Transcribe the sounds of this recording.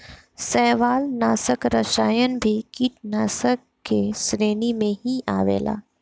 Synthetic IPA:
sɛːʋaːlnaːsəkɾɐʃaːjən̆bʱikiːʈnaːsəkːesɾeːnimẽhiʔaːʋḛːla̰ː

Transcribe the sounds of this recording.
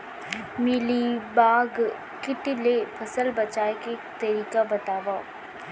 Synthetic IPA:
mɪlibaːɡ | kɪʈilepʰɐsəlbɐt͡ʃaːeket̪ɐɾiːkabɐt̪aːʋaː

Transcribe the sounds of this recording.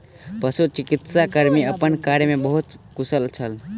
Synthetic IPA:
pəsut͡ʃɪkɪt̪sakəɾmiəpənkaɾjmẽbəɦut̪kʊsəlt͡ʃʰəl

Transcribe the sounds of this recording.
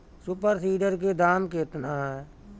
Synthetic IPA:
sʊpəɾsiːɖəɾked̪aːmket̪naɦɛː

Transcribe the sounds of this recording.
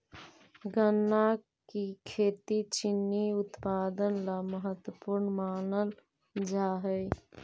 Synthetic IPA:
ɡənːa | kikʰeːt̪it͡ʃɪnːiʊt̪paːd̪ənlaməɦət̪wəpuɾnmaːnəl | d͡ʒaːɦəj

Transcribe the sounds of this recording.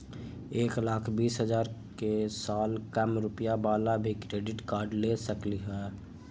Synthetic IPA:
eːklaːkʰbiːsɦəzaːɾkesaːlkəmɾʊpjabaːlabʱikɾeːɖɪʈkaːɾɖlesəkliɦɛː

